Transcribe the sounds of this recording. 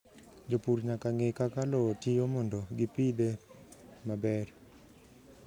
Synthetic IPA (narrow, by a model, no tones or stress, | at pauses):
d͡ʒopuɾɲakaŋekakalɔtijomɔndɔɡipid̪e | mabɛr